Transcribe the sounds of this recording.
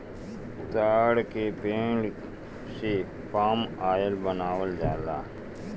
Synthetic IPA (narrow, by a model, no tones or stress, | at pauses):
t̪aːɽkepẽːɖ | se | paːmaːjəlbənaːwəld͡ʒaːlaː